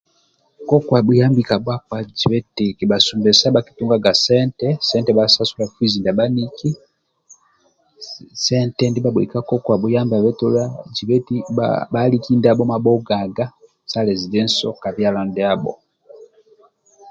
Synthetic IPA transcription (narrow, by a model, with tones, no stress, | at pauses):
kɔ˦kwa˨ɓu˦ja˦mbi˨ka˨bwa˦kwa˨d͡ʒi˨βɛ˦ti˨ki˨ɓa˨su˨mbɛ˨sa˦ɓa˦ki̥˦tu˦ŋɡa˦ɡa˨sɛ˦ntɛsɛ˦ntɛ˨ɓasa˦su˦la˨fwi˦zi˨nda˨ɓa˦ni˦ki˦ | sɛ˦ntɛndi˦ɓa˦ɓwɛ̰˨ka˦kɔ˦kwa˨ɓu˨ja˦mba˨βɛ˦tɔ˦la˦d͡ʒi˨βɛ˦tibali˦ki˦nda˦ɓɔ˦ma˨ɓɔ˦ɡa˨ɡa˦ | sa˦lɛ˨zi˨dɛ˦nsɔ˦ka˨βja˦la˨ndɛa˦ɓɔ̰˨